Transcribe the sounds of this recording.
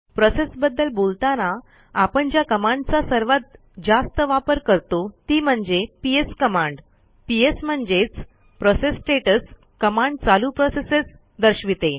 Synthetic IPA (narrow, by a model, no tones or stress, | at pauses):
pɾɔsesbəd̪ːəlbolt̪ana | apəɳd͡ʑjakəmãɳɖt͡sasəɾʋat̪̚ | d͡zast̪əʋapəɾkəɾt̪ot̪iːm̤əɳd͡zepieskəmãɳɖ | piesm̤əɳd͡zet͡s | pɾɔsesːʈeʈəs | kəmãɳɖt͡salupɾɔseses | d̪əɾɕʋit̪e